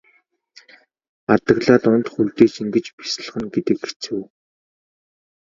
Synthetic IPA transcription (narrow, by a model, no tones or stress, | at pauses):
at̪ə̆ɣɮaːt̪ʊnt̪χuɮt̪eːt͡ɕiŋɡɘ̆t͡ɕpi̥s̆ɮ̆χɘ̆ŋɡet̪ɘ̆kːe̥t͡sɘ̆w